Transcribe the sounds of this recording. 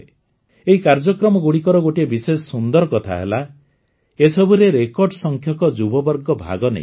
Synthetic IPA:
eɦikaɾd͡ʒɔkɾɔmɔɡuɽikɔɾɔɡoʈiebisesɔsund̪ɔɾɔkɔt̪ʰa̰ɦḛla | esɔbuɾeɾekɔɾɖɔsɔŋkʰjɔkɔd͡ʒubɔbɔɾɡɔbʱa̰ɡɔnḛj̰̃

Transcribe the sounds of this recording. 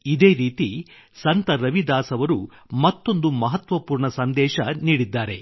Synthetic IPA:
id̪eːɾiːt̪i | sɐnt̪ɐɾɐʋid̪aːsɐʋɐɾu | mɐt̪ːo̞nd̪umɐɦɐt̪ʋɐpuːɾɳɐsɐnd̪ɛːʃɐniːɽid̪ːaːɾe̞

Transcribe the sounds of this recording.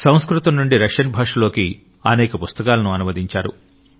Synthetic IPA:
sɐ̃w̃skɾut̪ɐmnuɳɖiɾɐkʂɐnbʱaːʂɐloːki | ɐnɛːkɐpust̪ɐkaːlɐnuɐnumɐd̪iɲt͡ʃaːɾṵ

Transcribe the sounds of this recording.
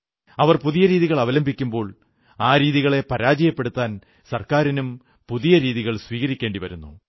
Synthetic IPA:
ɐʋɐrpuðijɐɾiːðiɣɐɭɐʋɐlɐmbʱikʲːumbo̞ːɭ | aːɾiːðiɣɐɭe̞pɐɾaːd͡ʑɐjɐpːe̞ɽut̪ːaːn | sɐrkaːɾinum | puðijɐɾiːðiɣɐɭsʋiːɣɐɾikʲːeːɳɖiʋɐ̰ɾunːu

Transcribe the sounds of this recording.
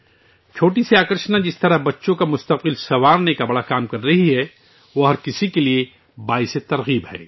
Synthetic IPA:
t͡ʃʰoːʈisiaːkəɾʃnad͡ʒɪst̪ɐɾaɦbɐtːʃõkamʊst̪ɐq̚bɪlsɐʋaːɾnekabɐɽakaːmkɐɾːɐɦiɦɛ | ʋoɦɐɾkɪsikelie | baːɪset̪ɐɾɣiːbɦɛ̰ː

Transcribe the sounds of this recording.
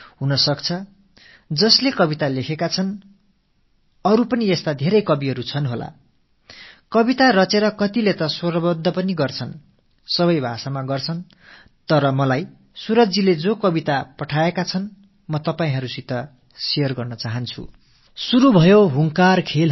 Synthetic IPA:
ɦunʌsʌkt͡sʰʌ | d͡zʌslekʌbit̪alekʰekat͡sʰʌn | ʌɾupʌniest̪ad̪ʱeɾʌjkʌbiɦʌɾut͡sʰʌnɦola̰ | kʌbit̪arʌt͡seɾʌkʌt̪ilet̪ʌswʌrʌbʌd̪ʱːʌpʌniɡʌrt͡sʰʌn | sʌβʌjbʱasamaɡʌrt͡sʰʌn | t̪ʌɾʌmʌlaj | suɾʌd͡ziled͡zokʌbit̪apʌʈʰaekat͡sʰʌn | mʌt̪ʌpaĩɦʌɾusit̪ʌ | sijʌrɡʌrnʌt͡saɦʌnt͡sʰṵ | suɾubʱʌjoɦuŋkarkʰel

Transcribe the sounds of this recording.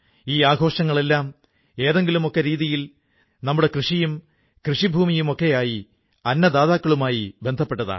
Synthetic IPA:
iːaːɡʱo̞ːʂɐŋːɐɭe̞lːaːm | e̞ːðe̞ŋɡilumo̞kːe̞ɾiːðijil | nɐmːuɽe̞krɨʂijum | krɨʂibʱuːmijumo̞kːe̞jaːji | ɐnːɐd̪aːðaːkːɐɭumaːjibe̞nd̪ʱɐpːe̞ʈːɐða̰ː

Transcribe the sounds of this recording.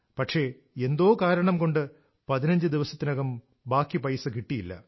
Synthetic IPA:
pɐʈʂe̞ | e̞nd̪o̞ːkaːɾɐɳɐmko̞ɳɖɨ | pɐðinɐɲd͡ʑɨd̪iʋɐsɐt̪ːinɐɣɐm | baːkːipɐjsɨkiʈːijilːɐ̰

